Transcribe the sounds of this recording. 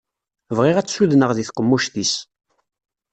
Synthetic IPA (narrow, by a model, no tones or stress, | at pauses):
vʁɪʁæt͡sːsuðnəʁðiθqəmːuʃθis